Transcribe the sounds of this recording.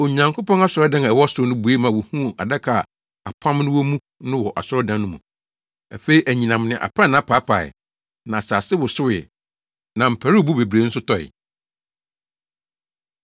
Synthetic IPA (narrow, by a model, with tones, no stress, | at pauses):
o˨ɲã˨ŋkʰo˦pɔ̃˦na˦sʊ˨ɾɔ˦dã˦n˨ɛ˨wɔ˦sʊ˦nʊ̃˦bu˨e˦mã˨wʊ˨hũ˦˨a˨dɛ˦kʰa˨ | a̰˨pʰã˦mnʊ̃˦wɔ˦mũ˦ | nʊ̃˦wɔ˨ʔa̰˨sʊ˦ɔ˦dã˨nnʊ̃˦mṵ̃˨ | æ˨fe˦i˦ʔæ˨ɲĩ˨nã˨mnɪ̃˨ʔa̰˨pʰã˦nã˨˦pʰa˦pʰa˨ɪ̰˨ | nã˨saː˨sɪ˦wʊ˨sʊ˦wɪ˨ | nã˨m̩˨pʰæ˨ɾi˦ɔ˨bu˦be˨bɾe˨˦n̩˦sʊ˦tʰɔ˦ɪ̰˨